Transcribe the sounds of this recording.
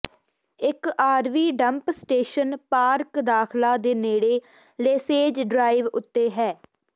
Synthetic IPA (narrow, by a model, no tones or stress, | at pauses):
ɪkaːɾʋiːɖəmpsʈeːʃənpaːɾkd̪aːkʰlaːd̪eːneːɽeː | leːseːd͡ʒɖɾaːɪʋʊt̪ːeːɦɛː